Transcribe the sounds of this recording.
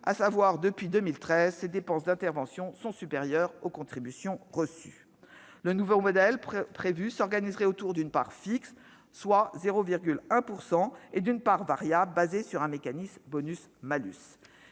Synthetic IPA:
a̰savwaʁd̪əpɥid̪əmilt̪χɛzsed̪epɑ̃sd̪ɛ̃t̪ɛʁvɑ̃sjɔ̃sɔ̃sypeʁjœʁokɔ̃t̪χibysjɔ̃ʁəsy̰ | lənuvomɔd̪ɛlpχevysɔʁɡanizʁɛot̪uʁd̪ynpaʁfiksː | wazeʁoviʁɡʲylɛ̃puʁsɑ̃ed̪ynpaʁvaʁjablbazesyʁɛ̃mekanismbɔnysmaly̰s

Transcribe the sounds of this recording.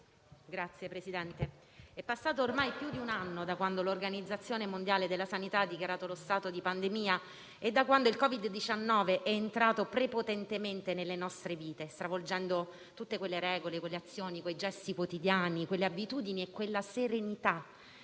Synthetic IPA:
ɡɾat̪sːjepɾesid̪ɛnt̪e | ɛpːasːaːt̪oːrmajpjud̪iunanːod̪akwand̪olorɡanid̪zːat̪sːjoːnemond̪jaːled̪elːasanit̪aad̪ːikjaɾaːt̪olost̪aːt̪od̪ipand̪emiːa | ed̪ːakwand̪oilkɔvid̪ːit͡ʃanːɔːveʔɛːnt̪ɾaːt̪opɾepot̪ɛnt̪ement̪enelːenɔst̪ɾeviːt̪est̪ɾavold͡ʒɛnd̪o | t̪ut̪ːekwelːeɾɛːɡolekwelːeat̪sːjoːnikwejd͡ʒɛst̪ikwot̪id̪jaːnikwelːeabit̪uːd̪iniekːwelːaseɾenit̪a

